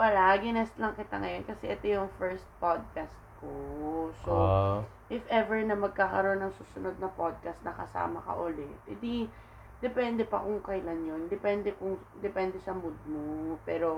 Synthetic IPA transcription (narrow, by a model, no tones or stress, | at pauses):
pɐlaːɡɪnɛst̪lɐŋkɪt̪aŋɐjo̞nkɐsɛʔɛt̪ojʊŋfɛɹst̪̚pod̪̚kast̪̚koso | ʔɪfʔɛvɛɹnɐmɐɡ̚kaːkɐɾo̞nːɐŋsuːsʊno̞d̪̚nɐpod̪̚kast̪̚nɐkɐsa̰ːmɐkɐ̰ʔʊlɛt̪̚ɪd̪i | d̪̥ɛpɛnd̪ɛpɐkʊŋkɐjlanjo̞nd̪ɛpɛnd̪ɛkʊŋ | d̪ɛpɛnd̪ɛʃɐmʊd̪̚mopɛːɾo